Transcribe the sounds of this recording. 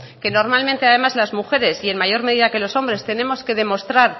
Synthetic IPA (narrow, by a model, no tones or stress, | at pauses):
ke̞no̞ɾmalmẽnt̪eað̞e̞mazlazmuxe̞ɾe̞sie̞nmaʝo̞ɾme̞ðiðake̞lo̞so̞mbɾe̞st̪e̞ne̞mo̞ske̞ð̞e̞mo̞st̪ɾaɾ